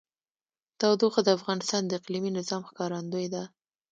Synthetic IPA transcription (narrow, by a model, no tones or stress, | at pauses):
t̪ɑwd̪oxad̪əafɣɑnɪst̪ɑnd̪əɪqliminɪzɑmxkɑɾand̪ojd̪a